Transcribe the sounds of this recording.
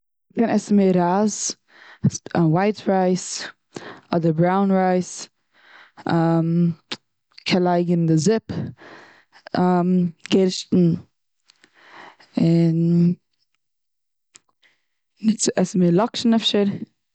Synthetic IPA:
kɛnɛsəmeːɾaz | anwaɪtɾaɪs | ɔdəɾbɾaʊnɾaɪs | am | kʰɛlˠaɪɡəndəzɪp | amɡeɾʃtn̩ | ɪn | ɪt͡sʔɛsəmɪlˠɔkʃn̩ɛfʃəɾ

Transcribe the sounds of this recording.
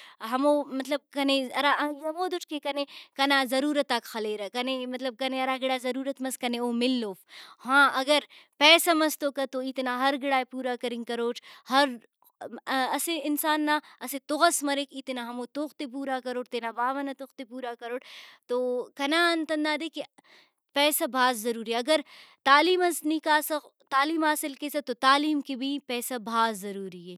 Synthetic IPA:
ɦɐmoːmɐt̪lɐb̚kɐneɐɾaɐjɐmoːd̪ʊʈkekɐnekɐnaːzɐɾuːɾɐt̪ːaːkxɐleːɾɐkɐnemɐt̪lɐb̚kɐneɐɾaːɡɪɽaːzɐɾuːɾɐt̪mɐskɐneoːmɪlːoːfhãːɐɡɐɾpɛːsɐmɐst̪oːkɐt̪oit̪inaːɦɐɾɡɪɽaːepuːɾaːkɐɾɪŋɡkɐɾoːʈʰhɐɾ | ɐseɪnsaːnːaːɐset̪ʊɣɐsmɐɾekit̪naɦɐmot̪oːxt̪ep̬uːɾakɐɾoːʈt̪eːnabaːʋɐnɐt̪oxt̪epuːɾakɐɾoːʈt̪okɐnaːnt̪ɐ̃nd̪aːd̪eːki | pɛːsabʱaːzːɐɾuːɾiɐɡɐɾt̪aːliːmɐsnikaːsɐt̪aːliːmaːsɪlkesɐt̪ot̪aːliːmkibʱipɛːsabʱaːzːɐɾuːɾiɦɛː

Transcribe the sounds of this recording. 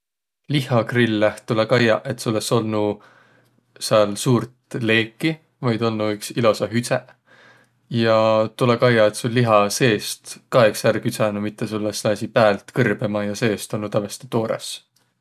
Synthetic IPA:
lihɑkrilːeht̪ulekɑjɑ̰ʔe̞t̪suolːeso̞lnu | seɑlsuːrt̪le̞ːkːi | vɑjd̪o̞lnuyksilo̞sɑɦyt̪se | jɑt̪ulekɑjɑe̞t̪sulːiɦɑse̞ːst̪kɑeksærkyt̪sɑnumit̪ːˑe̞sulːesæsʲipæːlt̪kɤrb̥emɑjɑse̞ːst̪olnut̪ævest̪e̥t̪o̞ːɾḛs

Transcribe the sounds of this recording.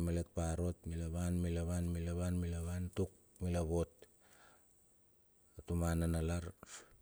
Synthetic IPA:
malet̚paɾo̞tmilaβanmilaβanmilaβanmilaβantuk̚ | milaβo̞t̚ | atumananalaɾ

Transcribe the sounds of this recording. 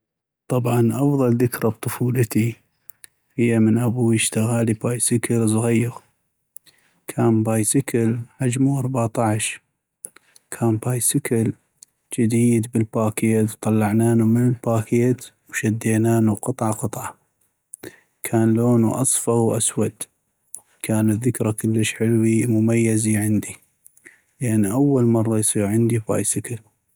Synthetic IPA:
t̪ˤɑbʕɑnʔɑfðˤɑlðɪkɾɑb̚t̪ˤʊfuːlət̪i | hɪjːamənʔabuːiʃt̪aɣaːlibaːjsɪkəlzˤɣijːɪɣ | kʰaːmbaːjsɪkʰalħad͡ʒmuʔɑɾˤbat̪ˤɑʕʃ | kʰaːmbaːjsɪkal | d͡ʒɪd̪iːd̪bəlbaːkeːt̪wt̪ˤɑlːɑʕnaːnumɪnəlbaːkeːt̪ | wʃad̪ːeːnaːnuqɨt̪ˤʕɑqɨt̪ˤʕɑ | kʰaːnloːnuʔɑsˤfɑwʔa̰swad̪ | kʰaːnɪðəkɾakʊlːəʃħɪlwimʊmajːaziʕɪnd̪i | lʔanːiʔawːalmɑrˤːɑjsˤiːɾʕɪnd̪iba̰ːjsɪkal

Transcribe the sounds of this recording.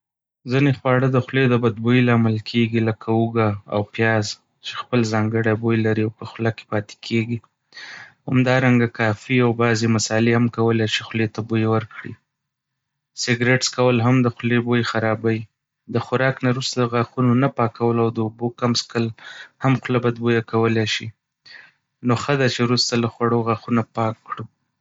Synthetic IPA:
zinexwɑɽəd̪əxled̪əbad̪̚bojlɑmalkʰeɡiləkʰauɡaa̰wpjɑz | t͡ʃe̥xpəlzɑŋɡəɽabojlaɾiawpəxlakːe̥pɑt̪e̥kʰeɡi | ha̰md̪ɑɾaŋɡakɑfiawbɑzemasɑlehamkawəlet͡ʃexlet̪abojewəɾkɽḭ | sɪɡɾeʈskawəlɦamd̪əxlebojxaɾɑbaji | d̪əxʊɾɑknaɾust̪ad̪əɣaxunonapɑkawəlawd̪əubokamskəlhamxʊlabad̪̚bojakawəlaʃi | noxəd̪at͡ʃewɾust̪alaxwaɽoɣaxunapɑkːɽu

